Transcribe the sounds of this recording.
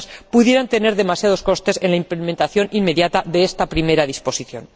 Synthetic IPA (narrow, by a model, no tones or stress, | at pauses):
spuðje̞ɾant̪e̞ne̞ɾðe̞masjað̞o̞sko̞st̪e̞se̞nlaimplemẽnt̪aθjo̞nʔimme̞ðjat̪aðe̞est̪apɾime̞ɾaðispo̞siθjo̞̰n